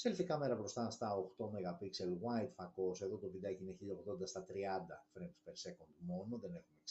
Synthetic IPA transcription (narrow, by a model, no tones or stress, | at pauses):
selfikɐme̞ɾɐbɾo̞st̪ɐst̪ɐoxt̪o̞meɣɐpikselwajt̪fɐko̞se̞ðo̞t̪ovid̪ɐcineçiʎɐoɣt̪o̞nd̪ɐst̪ɐt̪ɾiɐnd̪ɐfɾenspe̞ɾse̞kond̪mo̞no̞ðe̞ne̞xumek